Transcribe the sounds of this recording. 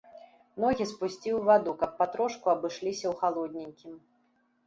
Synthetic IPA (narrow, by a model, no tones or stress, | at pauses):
nɔɣʲispusʲt͡sʲiwvad̪ukɐpːat̪ɾɔʂkuɐbɨʂlʲisʲɐwxalˠɔd̪ʲnʲenʲkʲim